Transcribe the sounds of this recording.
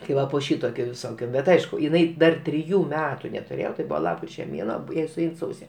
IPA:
tʲɪ ˈʋɐ poː ˈʃʲiːtoːkʲoː ʋʲɪsoːˈkʲoː ˈbʲɛt ˈɐɪʃkʊ jɪˈnɐɪ dɐr tʲrʲɪˈjuː ˈmʲæːtʊ nʲɛtʊˈrʲeːjoː tɐɪ ˈbʊʋoː ˈlˠɑːpkrʲɪt͡ʃʲɛ ˈmʲeːnuɔ ˈjɛɪ sʊˈɛɪn ˈsɐʊsʲɛ

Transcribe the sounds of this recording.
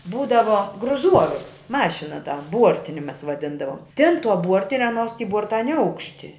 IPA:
ˈbuːdɐʋoː ɡrʊˈzuɔʋʲɪks ˈmɑːʃʲɪnɐ tɐ ˈbuɔrʲtʲɪnʲɪ ˈmʲɛs ʋɐˈdʲɪndɐʋoːm tʲeːn tuɔ ˈbuɔrʲtʲɪnʲɛ ˈɑːˌnuɔs tʲiː ˈbuɔrtɐ nʲɛˈɐʊkʃʲtʲɪ

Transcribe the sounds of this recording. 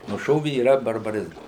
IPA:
nʊˈʃoːʋʲɪ iːˈrɐ bɐrbɐˈrʲɪzmɐs

